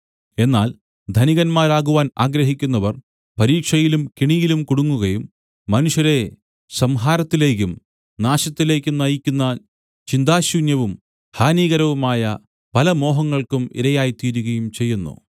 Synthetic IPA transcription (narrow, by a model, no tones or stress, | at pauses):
e̞nːaːl | d̪ʱɐniɣɐnmaːɾaːɣuʋaːnaːɡɾɐɦikʲːunːɐʋɐr | pɐɾiːkʂɐjilumkiɳijilumkuɽuŋːuɣɐjumː | ɐnuʂjɐɾe̞ | sɐmɦaːɾɐt̪ːile̞ːk̬ʲːum | naːɕɐt̪ːile̞ːkʲːunɐjikʲːunːɐ | t͡ɕind̪aːɕuːnjɐʋum | haːniːɣɐɾɐʋumaːjɐ | pɐlɐmo̞ːɦɐŋːɐɭkumḭɾɐjaːjit̪iːɾuɣɐjumt͡ɕe̞jːunːṵ